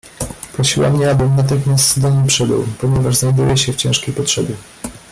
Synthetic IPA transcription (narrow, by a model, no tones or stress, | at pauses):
pɾɔɕiwa̰mɲɛabɘmnat̪̬ɘxmʲjast̪d̪ɔɲejpʂɛbɘ̰wpɔɲɛvaʐznajd̪ujɛɕɛft͡ɕɛ̃ʂkʲejpɔtʂɛbʲjɛ